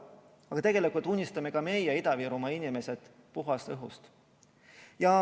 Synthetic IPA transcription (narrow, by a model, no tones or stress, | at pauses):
ɑɡ̥ɑt̪e̞ɡ̥e̞likult̪ːˑunʲːist̪ɑme̞kɑme̞jɛid̪ɑviːɾumɑinʲime̞sed̪̥ | puɦɑst̪ɤɦṵst̪ | jɑ